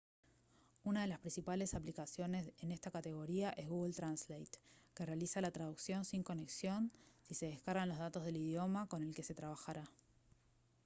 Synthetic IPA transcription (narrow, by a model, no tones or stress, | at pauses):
unað̞e̞laspɾĩnsipale̞saplikasjo̞ne̞sene̞st̪akat̪e̞ɣo̞ɾiaʔe̞zɣuɣlt̪ɾanslejt̪kere̞alisalat̪ɾað̞uksjo̞nsiŋko̞ne̞ksjo̞nsise̞ð̞e̞hkaɾɣanlo̞zðat̪o̞zð̞e̞liðjo̞mako̞ne̞lke̞se̞t̪ɾaβ̞axaɾa